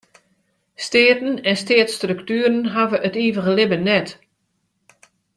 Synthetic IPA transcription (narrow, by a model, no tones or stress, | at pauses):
steːtn̩ɛnsteːətstrøktyːəɾənɦavəʔətiːvəɣəlɪbənɛt